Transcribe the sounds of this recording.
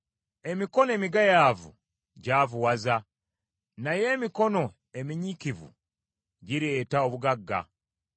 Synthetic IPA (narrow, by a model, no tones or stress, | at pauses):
e̞miko̞ne̞ːmiɡajaːvṵ | ɟaːvuwaza | naje̞ːmiko̞no̞ | emiɲikivṵ | ɟiɾe̞ːtao̞βuɡaɡːa̰